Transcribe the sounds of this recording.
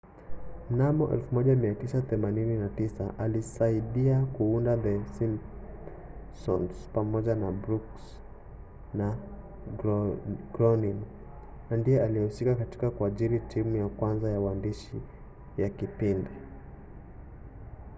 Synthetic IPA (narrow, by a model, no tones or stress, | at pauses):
m̩namɔʔɛ̰lfumɔʄamiatisaθɛmanininatisaʔalisaiɗiakuundaðɛsin | sɔ̰nspamɔʄanabɾuks | na | ɡ̥ɾɔnin | nandijɛaliɛhusikakatikakuaʄiɾitʰimujakwanzajawandiʃi | jakipindɛ